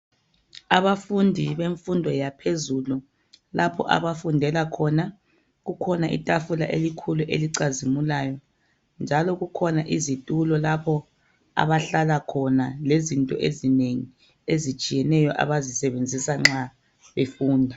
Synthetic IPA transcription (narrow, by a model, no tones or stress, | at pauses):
aβafundʱiβeɱfundʱɔjapʰezulu | lapʰɔ̰ʔa̰βafundʱɛlakʰɔna | ɣukʰɔnaʔḭtʼafula̰ʔelikʰuluʔeliǀazimulaːjɔ | nd͡ʒʱalɔɣukʰɔnaʔizitʼulɔlapʰɔ | a̰βaɬalakʰɔnalezintʼɔ̰ʔezineŋi | ezit͡ʃʼijɛnɛjɔʔa̰βazisɛβend͡zʱisaŋ͡ǁa | βefuːndʱa